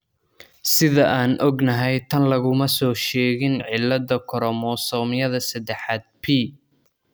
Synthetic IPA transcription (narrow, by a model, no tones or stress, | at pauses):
sɪðɐʔaːnʔɔɡnɐɦɛjt̪ʰɐnlɐɣʊmɐsɔːʃɛːɣɪnʕɪlːɐd̪ɐkʰɔɾɔmɔsɔːmɪjɐðɐsɐd̪ɛħaːd̪̚pʰiː